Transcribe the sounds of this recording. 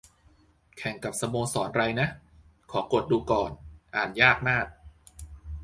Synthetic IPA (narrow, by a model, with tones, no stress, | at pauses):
kʰɛ˨˩ŋka˨˩p̚sa˧moː˧ŋsɔː˩˦nɾa˧jna˦˥ʔ | kʰɔː˩˦ko˨˩t̪̚duː˧kɔː˨˩nʔaː˨˩njaː˥˩k̚maː˥˩k̚